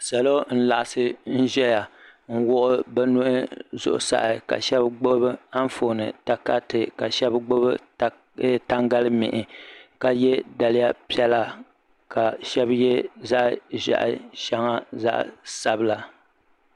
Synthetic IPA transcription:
sa˨lo˦n̩˦la˨ʔa˨sɨ˦n̩˦ʒɛ˦ja˨ŋ̩˦wʊ˦ʔʊ˦bɛ˦nu˦ʔɪ˦zʊ̰˨ʔʊ̰˨sa̰˨ʔɪ˨ka̰˨ʃɛ˦bɡ͡bo˦bɨ˦a˦ɱ˦fo˨nɨ̰˨ta˨ka˦tɨ˨ka˨ʃɛ˦bɡ͡bo˦bɨ˦ | ta˦ŋɡa˦lɨ˦mɪ̰˨ʔɪ˨ka˦jɛ˦da˨lɪ˦ja˦pi˦ɛ˦la˨ | ka˨ʃɛ˦bjɛ˦za˦ʔʒa̰˨ʔʃa˦ŋa˦za̰˦ʔsa˦bɨ˦la˨

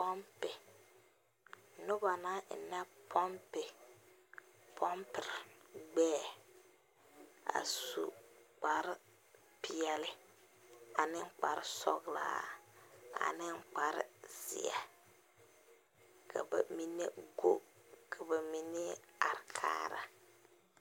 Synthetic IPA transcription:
pɔ˦mpɪ˨ | nʊ˦ba˨na˦˨nɛ˦pʰɔ˦mpɪ˨ | pʰɔ˦mpɪ˨ɾɡ͡bɛː˦˨ | a̰˨su˦k͡pa˨ɾɪ˦ | pi˦ɛ˨˦lɪ˦ | a˨nɪ˦ŋ˦k͡pa˨ɾɪ˦sɔ̰˦ɣla̰ː˦ | a̰˨nɪ˦ŋ˦k͡pa˨ɾɪ̰˦z̥ḭ˨ɛ̰˨ | kʰa˨bɛ̰˨mi˦ne˦ɡo˦ | kʰa˨bɛ˨mi˦ne˦a̰˨ɾkʰa̰ː˦ɾa̰˨

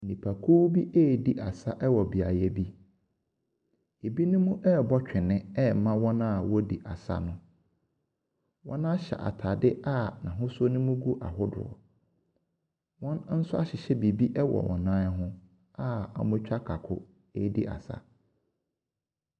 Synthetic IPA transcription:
nĩ˨pʰa˨kʰuː˦bi˦ʔɛː˦˨di˦ʔa˨sa˦ʔɛ˦wɔ˨bi˨a˨jɛ˦bi˦ | e˨bi˦nʊ̃˦mʊ̃˦ʔɛ˦˨bɔ˦t͡ɕᶣɪ˨nɪ̃˦ɛ˦˨mã˦wɔ̃˦nã˦˨wɔ˦di˨ʔa˨sa̰˦nʊ̃˦ | wɔ̰̃˦nã˦ɕɛ̰˨ʔa̰˨tʰa˨dɪ˦ʔa˦˨nã̰˨ɦʊ̃˦sɔ˦nʊ̃˦mũ˦ɡu˦ʔa̰˨ɦʊ˦dʊ̰˨ɔ̰˨ | wɔ̃˦nn̩˦sʊ˦a˦ɕɪ˨ɕɛ˦bi˨bi˦ʔɛ˦wɔ̰˨ʔɔ̰̃˨nãː˦ɦʊ̃˦ | a˦a̰˨mʊ̃˦t͡ɕᶣa˦kʰa˨kʰʊ˦ | e˦˨dḭ˦ʔa̰˨sa̰˦

